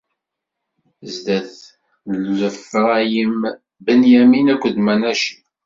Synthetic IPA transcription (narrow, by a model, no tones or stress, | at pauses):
zd̪æθ | lːəfʁæjəm | bənjæminækʷːəd̪mænæʃi̥